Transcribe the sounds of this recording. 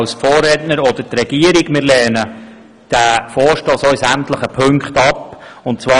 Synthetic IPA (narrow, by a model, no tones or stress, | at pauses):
lsfɔːrːɛtnəɾɔd̥̪əɾtrɛɡ̥iəɾɪɡmɪːɾlɛːnə | d̥æːfɔːɾʃtoːsɔʏisæmt̪ləχəpʰɵŋkχtɑpʊntt͡svɑː